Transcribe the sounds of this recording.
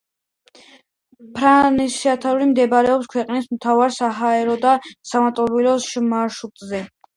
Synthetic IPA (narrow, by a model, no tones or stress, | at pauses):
pʰɾanisiat̪ʰaɾulimd̪ɛbɾɛɔpskʰwɛqʼnismt̪ʰavaɾsaɦaɛɾɔd̪asamat̪ʼɔɾvilɔʃmaʃut̪ʼzɛ